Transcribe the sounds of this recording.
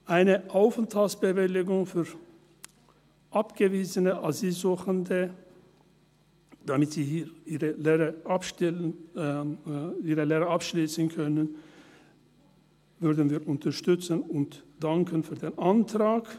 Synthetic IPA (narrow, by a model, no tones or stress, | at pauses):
ʔaɪnəʔaʊfəntʰalsb̥əvɪlɪɡʊŋfyːɐ | ʔapɡ̥əviːzənəʔazilzuːχəndə | d̥amɪtz̥iːhiːʔiːʁəleːʁəʔap | iːʁəleːʁɐapʃliːsən̩kʰœnən | vʏɐdn̩viːɐʔʊntʰɐʃtʏt͡sənʊntd̥aŋkʰənfyːɐdeːnʔantʁaːk